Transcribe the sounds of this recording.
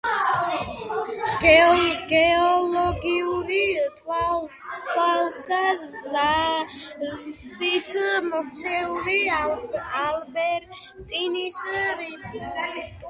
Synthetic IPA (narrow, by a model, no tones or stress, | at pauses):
ɡɡɛɔlɔɡiuɾi | at̪ʰwalsa | a | sit̪ʰmɔkt̪sʰɛuli | albɛɾ | t̪ʼinisɾi